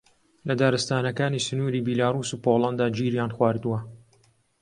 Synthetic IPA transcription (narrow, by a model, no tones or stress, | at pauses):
lɐd̪aːɾɨst̪aːnɐkaːniːsʊnuːɾiːbilaːɾuːsuːpolˠɐnd̪aːd͡ʒiːɾjaːnxwaːɾd̪uwɐ